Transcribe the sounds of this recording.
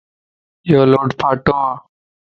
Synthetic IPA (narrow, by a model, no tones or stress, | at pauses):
joːloːɖpʰaːʈõːãː